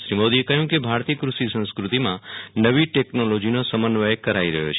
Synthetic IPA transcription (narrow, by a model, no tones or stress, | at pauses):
ʃɾimod̪iekəɦjũkebʱaɾt̪iəkɾuʃisə̃nskɾut̪imãnəʋiʈeknolod͡ʒinosəmənːʋəekːəɾaiɾəɦjo̰t͡ʃʰe